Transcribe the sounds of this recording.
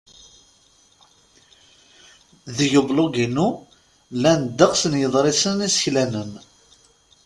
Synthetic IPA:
ðəʝəbloɡinu | lænd̪əqsənjəðˤɾˤɪsənisə̥çlænən

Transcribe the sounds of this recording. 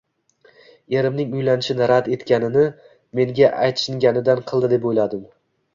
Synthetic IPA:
e̞ɾɪmnɪŋʊjlanɪʃɪnɪɾad̪e̞t̪kʲanɪnɪ | me̞ŋɡʲaʔajt̪ʃɪŋɡʲanɪd̪anqʰɨlˠd̪ɪd̪e̞pojlad̪ɪm

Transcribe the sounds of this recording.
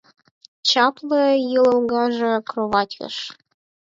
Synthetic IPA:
t͡ɕɑplɤjɯlə̆lɣɑʒĕkroβɑt̪ʲə̰ʃ

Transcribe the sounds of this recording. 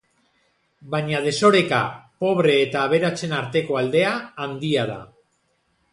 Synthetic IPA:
baɲaðe̞so̞ɾe̞ka̰po̞β̞ɾe̞ːt̪aːβ̞e̞ɾat͡se̞naɾt̪e̞ko̞ald̪e̞aːnd̪iaða̰

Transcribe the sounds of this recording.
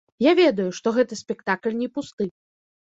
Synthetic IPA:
javʲɛd̪ɐjuʂt̪ɔɣɛt̪ɨsʲpʲɛkt̪aklʲnʲɛpust̪ɨ

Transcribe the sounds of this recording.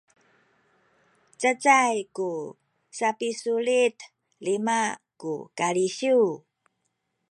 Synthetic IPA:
t͡sət͡sajku | sapisuɭit | limakṵkaɭiɕu

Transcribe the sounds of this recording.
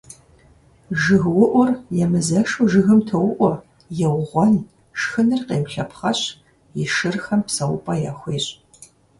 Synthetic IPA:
ʒɨɣwʊʔʷɔrjɛmɨzɐʃuʒɨɣɨmtʰɐwʔʷɔ | jɛwʁʷɔn | ʃxɨnɨrqeːmɬɐpχɐɕ | jɪʃɨrxɐmpsɐwʊpʼɐjaxʷiːɕʼ

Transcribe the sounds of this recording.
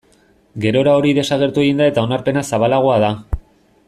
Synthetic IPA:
ɡe̞ɾo̞ɾao̞ɾiðe̞saɣe̞ɾt̪ueɣind̪ae̞t̪ao̞naɾpe̞nasaβalaɣ̞oaða

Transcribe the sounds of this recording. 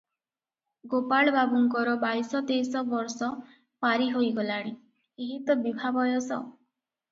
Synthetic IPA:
ɡopaɭbabuŋkɔɾɔbajsɔt̪ejsɔbɔɾsɔ | paɾiɦojɡɔlaɽ̃i | eɦit̪ɔbibʱabɔjɔsɔ̰

